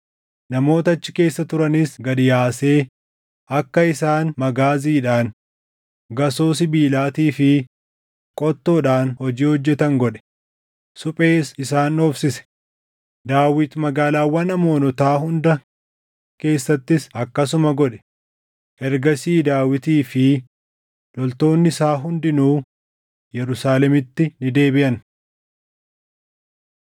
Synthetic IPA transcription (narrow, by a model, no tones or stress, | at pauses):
nɐmo̞ːt̪ɐɐt͡ʃːɪ̥ke̞ːsːɐt̪ʊɾɐnisɡɐd̪ɪjaːse̞ː | ɐkːɐɪsaːnmɐɡaːziːᶑaːn | ɡɐsoːsɪbiːlaːt̪iːfɪ | kʼɔt̪ːoːᶑaːnhɔd͡ʒiːhɔd͡ʒːɛt̪ɐŋɡɔᶑɛ̥ | sʊpʼe̞ːsɪsaːnoːfsɪsɛ̥ | d̪aːwɪt̪mɐɡaːlaːwɐnɐmo̞ːnɔt̪aːɦʊnd̪ɐ | ke̞ːsːɐt̪ːɪsɐkːɐs̬ʊmɐɡɔᶑɛ̥ | ʔɛɾɡɐsiːd̪aːwɪt̪iːfɪ | lɔlt̪o̞ːnːɪɪsaːɦʊnd̪ɪnuː | jɛɾʊsaːlɛmɪt̪ːɪnɪd̪e̞ːbɪʔɐn